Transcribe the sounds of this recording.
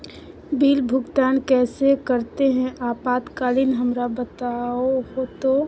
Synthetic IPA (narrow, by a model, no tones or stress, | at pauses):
biːlbʱʊɡt̪aːnkɛːsekəɾt̪eɦɛ̃ʔaːpaːt̪kaːlɪnɦəmɾabət̪aoɦot̪o